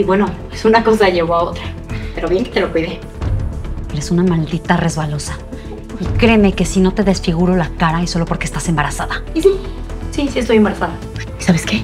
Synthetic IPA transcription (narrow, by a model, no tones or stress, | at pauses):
iβwe̞nopesunako̞s̬aʝe̞βoaot̪ɾa | pe̞ɾo̞βje̞ŋket̪e̞lokwiðe | eɾe̞sunamald̪it̪are̞zβalo̞sa | ikɾe̞me̞ke̞sino̞t̪e̞ðesfiɣ̞uɾo̞lakaɾaisolo̞po̞ɾkest̪ase̞mbaɾasaðaisisisiest̪o̞jembaɾasaða | isaβe̞ske̞